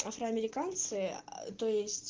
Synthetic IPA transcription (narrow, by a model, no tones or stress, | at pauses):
afɾəɐmʲɪɾʲɪkant̪sɨt̪ojɪsʲtʲ